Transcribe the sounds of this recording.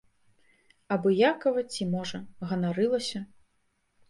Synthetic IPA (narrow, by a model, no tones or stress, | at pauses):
ɐbɔjakɐvɐt͡sʲimɔʐɐɣɐnaɾɨlˠɐsʲɐ